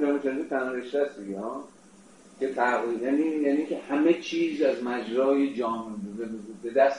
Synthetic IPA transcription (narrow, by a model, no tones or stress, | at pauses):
d̪ɒːmet͡ʃʰenzit̪ʰænɒɾeʃɾæsd̪iɡehɒː | kʰe̞t̪ʰæɣijæːnijæːniːŋkʲʰehæmet͡ʃʰiːzæzmæd͡ʒɾɒːjed͡ʒɒːmebbe̞d̪æst